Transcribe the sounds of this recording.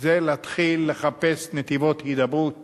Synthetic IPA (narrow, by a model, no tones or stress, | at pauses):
zeleat̪χilːe̞χape̞snet̪ivo̞t̪hid̪abut̪̚